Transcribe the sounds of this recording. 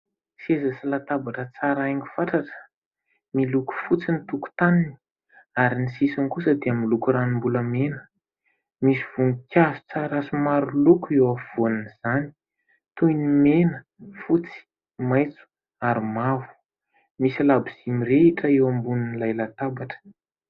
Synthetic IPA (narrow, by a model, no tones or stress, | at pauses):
sezasilat̪abaʈ͡ʂət͡saɾaaŋɡu̥faʈ͡ʂaʈ͡ʂə̥ | miluku̥fut͡sinit̪uku̥t̪anini | aɾinisisankusəd̪eamilukuranimbuləmenə | misiv̥uŋikʲazu̥t͡saɾasumaɾulukuewav̥oniniz̥ani̥ | t̪ujnimenə | fut͡si̥ | majt͡su̥ | aɾimavu̥ | misilabiz̥imireiʈ͡ʂəewambuninilajlat̪abaʈ͡ʂə̥